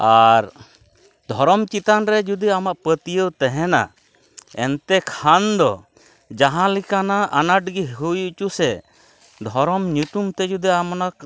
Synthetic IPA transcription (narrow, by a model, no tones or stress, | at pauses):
aɾ | d̪ʱɔɾɔmt͡ʃit̪anɾɛd͡ʒud̪iamaʔpət̪ijəwt̪ɛɦɛna̰ | ɛnt̪ɛkʰand̪ɔ | d͡ʒaɦãlikanaanaʈ̚ɡiɦujuʔt͡ʃusɛ | d̪ʱɔɾɔmɲut̪umt̪ɛd͡ʒud̪iamɔna